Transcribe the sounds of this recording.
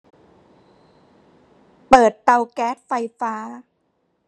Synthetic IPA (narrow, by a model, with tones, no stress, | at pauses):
pɤː˨˩t̪ːa˧wkɛː˦˥t̪̚fa˧jfaː˦˥